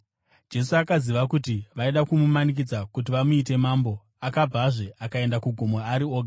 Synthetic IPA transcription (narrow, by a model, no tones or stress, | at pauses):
d͡ʒe̞suakaziʋakutiʋaiɗakumumanik̬id͡zakut̬iʋamuit̬e̞maːmbo̞ | akabʱaʐe̞ʔakae̞ndakuɡʱomoaɾioːɡʱa